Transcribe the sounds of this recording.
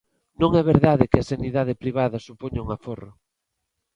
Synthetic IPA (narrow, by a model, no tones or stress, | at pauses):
nõŋɛβeɾðaðɪkɪɐsaniðaðɪpɾiβ̞aðɐsupoɲuŋaforʊ